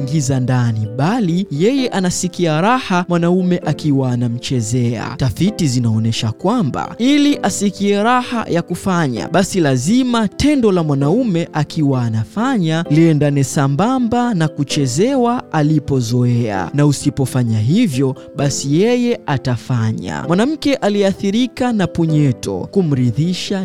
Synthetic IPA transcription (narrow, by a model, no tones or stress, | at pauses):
ŋɡizandaniɓalijɛjɛʔanasikiaɾahamwanaumɛʔakiwaːnam̩t͡ʃɛzɛa̰taθitizinaɔnɛʃakwamba̰iliʔasikiɛɾaha̰jakufaɲa̰ɓasilazimatɛndɔlamwanaumɛʔakiwaːnafaɲaliɛndanɛsambambanakut͡ʃɛzɛwaʔalipɔzɔɛa̰nausipɔfaɲaɦivjɔ | ɓasijɛjɛatafaɲa̰mwanam̩kɛʔaliɛaθiɾikanapuɲɛtɔ̰kum̩ɾiðiʃa